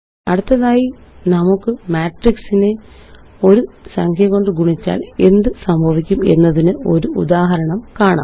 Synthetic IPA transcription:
ɐɽut̪ːɐðaːjinɐmukːɨmaːʈriksine | o̞ɾusɐŋkʰjɐɣo̞ɳɖɨɡuɳit͡ɕːa̰ːle̞̰nd̪ɨsɐmbʱɐʋikʲːume̞̰nːɐðinɨo̞ɾuud̪aːɦɐɾɐɳɐmkaːɳa̰ː

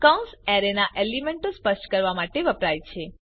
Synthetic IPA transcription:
kəwsɛɾenaʔelimeɳʈospəʃʈkəɾʋamaʈeʋəpɾajt͡ʃʰe

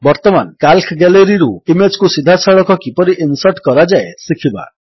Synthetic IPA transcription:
bɔɾt̪ɔmankalkʰɡɛleɾiɾuimed͡ʒkusid̪ʱasɔɭɔkɔkipɔɾiʔinsɔʈkɔɾad͡ʒaesikʰiba̰

